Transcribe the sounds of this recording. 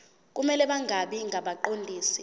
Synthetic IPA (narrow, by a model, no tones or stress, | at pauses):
k̬ʼumɛlɛɓaŋʱaɓiŋʱaɓaǃondʱiːsi̥